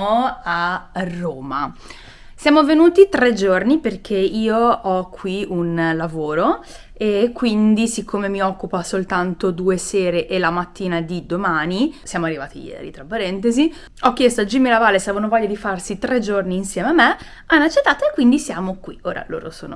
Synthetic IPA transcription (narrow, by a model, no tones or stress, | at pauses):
oarːoːma | sjaːmovenuːt̪it̪ɾed͡ʒorniperk̟ʰeiːoɔkʰːwiunlavoːɾo | ekːwind̪isikʰːomemiɔkːupasolt̪ant̪od̪uːeseːɾeʔelamat̪ːiːnad̪id̪omaːnisjaːmoarːivaːt̪ḭjɛ̰ːɾḭt̪ɾapːaɾɛnt̪ezi | ɔk̟ːjest̪oad͡ʒimːilavaːlesavvanovɔʎːad̪ifarsit̪ɾed͡ʒorniːnsjɛːmeamːe | anːat͡ʃːet̪ːaːt̪oekːwind̪isjaːmokwio̰ːɾa̰lo̰ːɾo̰so̰ːno